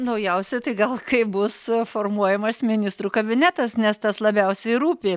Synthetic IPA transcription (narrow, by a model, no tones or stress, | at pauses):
nɐʊjɛʊsʲɛt̪ɐɪɡɐlˠkɐɪbʊsfoːrmuɔjɛmɐsmʲɪnʲɪst̪ɾuːkɐbʲɪnʲæt̪ɐsnʲɛst̪ɐslˠɐbʲɛʊsʲɛɪɾuːpʲeː